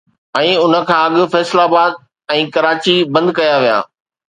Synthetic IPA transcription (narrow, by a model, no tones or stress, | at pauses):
ɛ̃ːʊnə̆kʰãːɐɠʊ̆fɛːslabaːd̪̚ | ɛ̃ːkɐɾaːt͡ɕibɐ̃nd̪kɐjaʋija̰ː